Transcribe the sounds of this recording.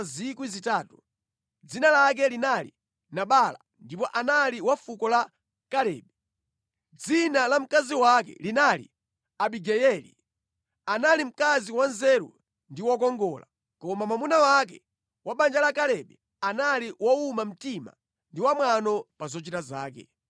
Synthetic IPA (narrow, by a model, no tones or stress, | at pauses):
zikwizitaːtu | d͡zinalak̬ɛlinalḭ | naɓaːla̰ | ndip̬ɔʔanaliwafukɔla | kalɛːɓɛ | d͡zinalam̩kaziwakɛ̰linalḭ | aɓiɡɛjɛlḭ | analim̩kaziwanzɛɾṵ | ndiwɔk̬ɔŋɡɔːla̰ | kɔmamamunawak̬ɛ̰ | waɓand͡ʒalakalɛɓɛ | analiwɔumam̩tima̰ | ndiwamwanɔpazɔt͡ʃitazaːkɛ̰